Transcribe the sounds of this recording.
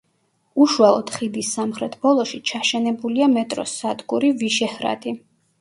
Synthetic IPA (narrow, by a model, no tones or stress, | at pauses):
uʃualˠɔd̪̥χid̪isːamχɾɛt̪ʰb̥ɔlˠɔʃit͡ʃʰaʃɛnɛbuliamɛt̪ʼɾɔ̰sad̪ɡuɾiviʃɛhɾa̰d̪i